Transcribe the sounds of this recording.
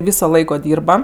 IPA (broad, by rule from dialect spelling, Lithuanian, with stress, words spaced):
ˈʋʲiːsoː ˈlˠɐɪkoː ˈdʲiːrbɐ